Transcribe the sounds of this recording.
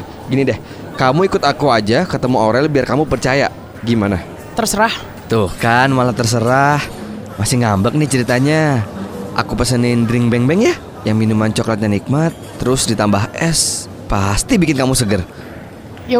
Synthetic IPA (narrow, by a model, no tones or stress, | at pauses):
ɡinidɛh | kamuikʊt̪akuad͡ʒakət̪əmuoɾɛlbiarkamupərt͡ʃaja̰ | ɡimana | t̪ərsəɾah | t̪ʊhkanmalat̪ərs̬əɾah | masɪhŋambək̚nɪht͡ʃəɾit̪aɲa | ʔa̰kupəsənɪndɾɪŋbɛŋbɛŋja | jaŋminumant͡ʃoklat̪̚ɲanik̚mat̪ːəɾʊsdit̪ambaɦɛs | past̪ibikɪnkamusəɡər | j